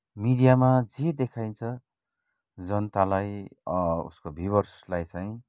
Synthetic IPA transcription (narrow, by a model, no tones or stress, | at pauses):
mid̪ijamad͡zed̪ekʰajnt͡sʰʌ | d͡zʌnʌt̪alaj | ṵskobʱiβʌrslajt͡saĩ